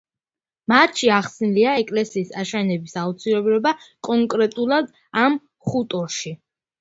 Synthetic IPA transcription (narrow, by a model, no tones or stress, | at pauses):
mat̪ʃiaχsniliaɛkʼlɛsiːsaʃɛnɛbisaut̪sʰiɾɛbɾɛbakʼɔŋkʼɾɛt̪ʼulˠad̪ | am | χut̪ʼɔʃi